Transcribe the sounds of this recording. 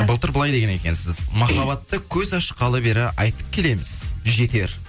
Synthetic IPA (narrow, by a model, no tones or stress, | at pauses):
bəlˠt̪əɾbəlˠɑjd̪eɡʲene̞kʲe̞̰nsɪzmɑχɑβɑt̪ːəkʲʰɵzɑʃqɑlˠəbe̞ɾɪʔɑ̰jt̪ə̥p̚kʲʰe̞le̞mɪz̥ʒe̞t̪e̞ɾ